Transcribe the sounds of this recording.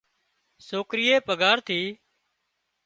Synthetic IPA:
soːkɾɪjeːpəɡaːɾt̪ʰiː

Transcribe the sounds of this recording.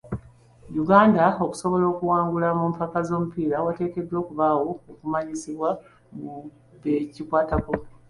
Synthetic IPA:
juɡaːndao̞ku̥so̞βo̞lo̞ːkuwaːŋɡulamumpakazo̞ːmupiːɾawate̞ːke̞dːwo̞ːkuβaːwo̞okumaɲisiβwa | mu | βecikwaːtakop

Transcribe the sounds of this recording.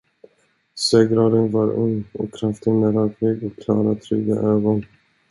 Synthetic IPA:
seːɡɾɑːd̪ənvaɾɵ̰ŋːɔ̰kʰɾaft̪ənæɾɑːklɪɡɔkʰːlɑːɾat̪ʰɾʏɡa̰ʔøːɡɔn

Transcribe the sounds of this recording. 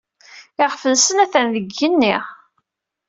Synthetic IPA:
ɪʁfəlsənæθənðəɡːənːɪʁ

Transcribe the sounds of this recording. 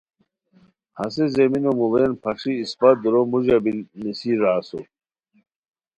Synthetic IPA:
hɐsezeminomuvenpʰɐʂiːspad̪uɾomuʑɐbilnisiɾaːso̰

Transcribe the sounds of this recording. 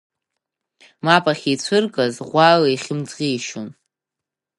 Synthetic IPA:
mapʼaχʲit͡sʷʰɨrkʼazʁʷaliχʲɪmt͡sqʲiːʃon

